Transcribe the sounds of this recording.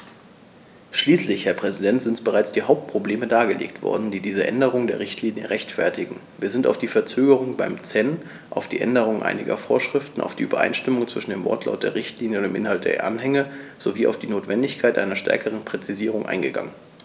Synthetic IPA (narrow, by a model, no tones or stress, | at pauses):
ʃliːslɪçhɛɐpʁ̥ɛzidɛntz̥ɪntb̥əʁaɪt͡sd̥iːɦaʊp̚t̚pʁ̥obleːmədaːɡəlḛːktv̥ɔ̰ɐdn̩diːdiːzəʔɛ̰ndəʁ̞ʊŋndeːɐʁɪçtliːnjə̰ʁɛçtfɛɐtɪɡŋ̩viːɐzɪnta̰ʊfd̥iːfɛɐt͡søːɡəʁ̞ʊŋbaɪmt͡sɛn | ʔaʊfd̥ḭːʔɛ̰ndəʁ̞ʊŋʔa̰ɪnɪɡɐ̰foːɐʃʁ̥ɪftn̩ʔa̰ʊfd̥iːʔyːbɐʔa̰ɪnʃtɪmʊŋt͡sv̥ɪʃn̩deːmvɔ̰ɐtʰla̰ʊt̚d̥eːɐʁɪçtʰliːnjəʊnd̥eːmʔɪ̰nhalt̚d̥ḛːɐʔa̰nɦɛŋəz̥oviːʔaʊfd̥iːnoːtv̥ɛndɪçkʰaɪtʔa̰ɪnɐʃtʰɛ̰ɐkʰəʁ̞ənpʁ̥ɛt͡siziːʁʊŋʔa̰ɪnɡəɡa̰ŋən